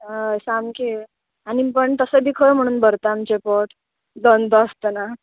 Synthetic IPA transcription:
əjsamki | añipəɳt̪əsəbʱiːkʰəjm̤əɽ̃uːnbəɾt̪aamt͡ɕepɔʈ | d͡zənd̪əəst̪əna

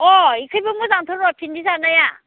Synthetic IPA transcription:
ɔikʰɯjbɯmɯzaŋtʰɔɾɔtʰindizanaja

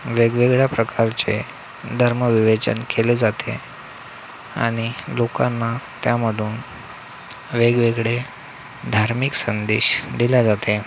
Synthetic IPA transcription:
ʋeɡʋeɡɭjapɾəkaɾt͡se | d̪ʱəɾməʋiʋet͡ɕə̰nkʰeled͡zat̪ʰḛ | a̰ɽ̃ilokanːat̪jaməd̪ʱuːn | ʋeɡʋeɡɭe | d̪ʱaɾmiksənd̪ḛɕd̪iljad͡zat̪ʰe

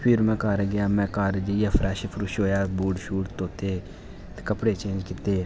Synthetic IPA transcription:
pʰɪɾmɛ̃ːkaːɾɡɪjaːmɛ̃ːkaːɾd͡ʒijaːpʰɾɛːʃpʰɾʊʃɦoːjaːbuːɖʃuːʈt̪oːt̪eː | t̪ːkəpɽeːt͡ʃẽːnd͡ʒkɪt̪eː

